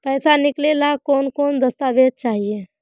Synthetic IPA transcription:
pɛːsanɪklelakɔːnkɔːnd̪ɐst̪aːʋeːd̪̚t͡ʃaːɦieː

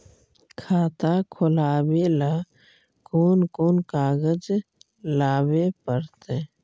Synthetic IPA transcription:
kʰaːt̪akʰʊlaːwela | koːnkoːnkaːɡəd͡ʒ | laːwepəɾt̪e

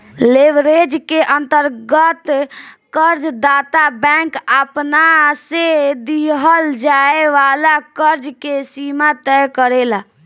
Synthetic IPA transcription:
leʋɾed͡ʒkeʔənt̪əɾɡət̪kəɾd͡ʒd̪at̪abɛ̃kapnased̪iɦəld͡ʒaeʋalakəɾd͡ʒkesimat̪ɛjkəɾela

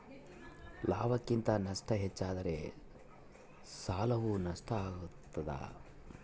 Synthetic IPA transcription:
laːbɐkːint̪ɐnɐʂʈɐɦet͡ʃːaːd̪ɐɾe̞ | saːlɐʋunɐʂʈʰɐaːɡut̪ːɐd̪a̰ː

